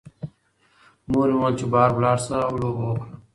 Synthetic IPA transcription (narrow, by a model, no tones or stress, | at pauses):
muːɾiwãːt͡ɕubaːɾblaːɾsaːuloːoːkʰn